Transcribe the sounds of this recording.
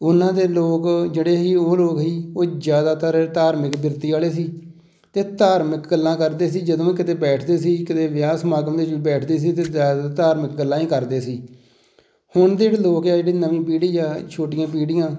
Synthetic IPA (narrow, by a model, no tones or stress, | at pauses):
ʊnãːd̪eːloːkd͡ʒeːɽeːɦiːoːloːkɦiːoːd͡ʒjaːd̪aːt̪əɾt̪aːɾmɪkbɪɾt̪iːaːleːsiː | t̪eːt̪aːɾmɪkɡəlːãːkəɾd̪eːsiːd͡ʒəd̪õːkɪt̪eːbɛːʈʰd̪eːsiːkɪt̪eːʋɪjaːsmaːɡəmd̪eːd͡ʒiːbɛːʈʰd̪eːs̬iːt̪eːaːd̪at̪aːɾmɪk̚ɡəlːãːiːkəɾd̪eːsiː | hʊɳd̪eːɪʈloːkjaːd͡ʒeːɽiːnəʋĩːpiːɽiːaːt͡ʃʰoːʈɪjãːp̬iːɽɪjãː